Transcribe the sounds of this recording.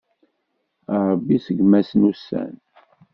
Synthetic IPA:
əɾˤəbːisəɡmæsnusːæ̰n

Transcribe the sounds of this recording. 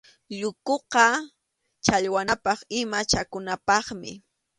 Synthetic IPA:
ʎʊkoqɑ | t͡ʃaʎwanapɑχɪmat͡ʃakʊnapɑχmɪ̰

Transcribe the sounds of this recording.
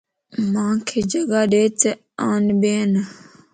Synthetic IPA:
mãːkʰeːd͡ʒəɡaːɗeːt͡se | aːnbeːn

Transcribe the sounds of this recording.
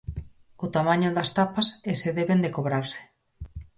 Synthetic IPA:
ʊt̪amaɲʊðɐst̪apaseseðeβend̪ekoβɾaɾsɪ̥

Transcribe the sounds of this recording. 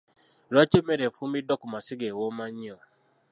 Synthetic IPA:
ɾat͡ʃemeɾefumidɔkumasiɡewomaɲiɔ

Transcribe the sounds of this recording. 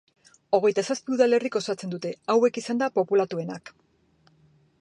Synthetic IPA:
o̞ɣ̞e̞jt̪asaspiuðale̞riko̞sat͡se̞nd̪ut̪e̞awe̞kisand̪apo̞pulat̪ue̞nak

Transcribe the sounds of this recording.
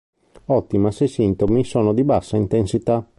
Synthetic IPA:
ɔt̪ːimasesint̪omisoːnod̪ibasːaint̪ensit̪a

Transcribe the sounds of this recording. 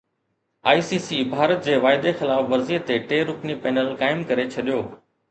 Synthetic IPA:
aːisiːsiːbʱaːɾət̪̚d͡ʑeːʋaːɪd̪exɪlaːfʋɐɾziːət̪ːeʈeːɾʊknipɛːnəlkaːɪmkɐɾet͡ɕʰɐɗijoː

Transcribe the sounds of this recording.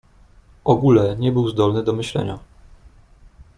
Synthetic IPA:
ʔɔɡulɛɲɛbɘwzd̪ɔlnɘd̪ɔmɘɕlɛ̰ɲa̰

